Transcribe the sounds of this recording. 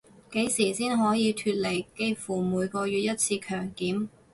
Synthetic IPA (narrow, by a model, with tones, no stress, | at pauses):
ke˨˥jsiː˨˩siː˥nɦɔː˨˥jiː˨˧t̪ʰyː˧t̚le˨˩jke˥jfuː˨˩muː˨˧jkɔː˧ɥyː˨t̚jɐ˥t̚t͡sʰiː˧kʰœː˨˩ŋkiː˨˥m